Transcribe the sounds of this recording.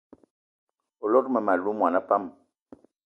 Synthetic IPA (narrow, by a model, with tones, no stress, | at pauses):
o˨lɔ˦t̚mɛ˨ma˨lu˦mwa˨na˦pa˦m